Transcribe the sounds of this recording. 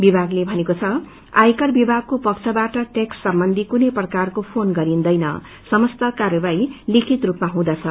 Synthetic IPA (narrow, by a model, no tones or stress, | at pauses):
bibʱaɡlebʱʌnekot͡sʰʌ | a̰jkʌrbibʱaɡ̚kopʌkt͡sʰʌbaʈʌʈeksːʌmbʌnd̪ʱikunʌjprʌkarkopʰonɡʌɾind̪ʌjnʌ̰ | sʌmʌst̪ʌkarjʌbajlikʰit̪rupmaɦũd̪at͡sʰʌ